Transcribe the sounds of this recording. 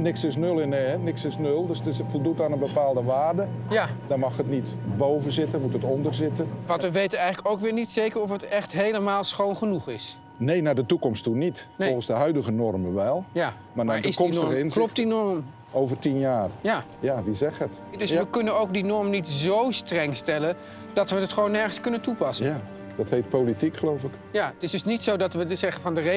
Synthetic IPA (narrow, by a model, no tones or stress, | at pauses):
nɪksɪsnølˠɪneɛnɪksɪsnølˠdøsətɪsfəlˠdut̚dɔnənbəpaːlˠdəʋaːrdə | jdɔrmɑxətnit | bowvəzɪtəmutətɔndərzɪtəʋɔ̃ntʋəʋejtənɛjɣŋələkowkʋɪːlˠnitsejkərɔfətɛxtɦejləmaːlˠsxoːnχənuxɪs | neːnaːdətukɔmstunitfɔlˠɣən̩zdəɦœɥdəɣənɔrməʋɛlˠja | maːɹnaːɪskɔmɪnslɔptdinɔɹm | owvərɹtinjaːrja | jaʋizɛχət | dɵsʋəkɵnənowk̚dinɔɹmnitzowstrɛŋstɛlən | d̥ɑtʋənətχʋownːɛɹχənskɵnəntupɑsə | d̥ɑthejt̚politikχəlowfɪk | jaətɪsdɵsnitsowdɑtʋəzɛχəvɑndəre